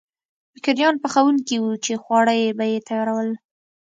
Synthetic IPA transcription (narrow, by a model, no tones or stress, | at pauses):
fɪkɪɾjɑnpəxawunkiwut͡ʃexwɑɽəjebajet̪ajɑɾawəl